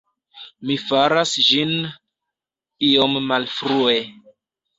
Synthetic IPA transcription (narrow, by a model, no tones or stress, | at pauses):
mifaɾasd͡ʒin | iomːalfɾue